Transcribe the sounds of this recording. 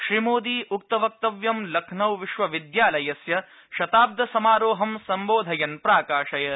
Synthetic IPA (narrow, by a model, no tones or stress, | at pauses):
ʃɾimoːd̪iːuk̚t̪ɐʋɐk̚t̪ɐʋjɐmlɐkʰnɐwʋiʃʋɐʋid̪jaːlɐjɐsjɐ | ʃɐt̪aːb̚d̪ʱɐsɐmaːɾoːɦɐmsɐmboːd̪ʱɐjɐnpɾaːkaːʃɐjɐ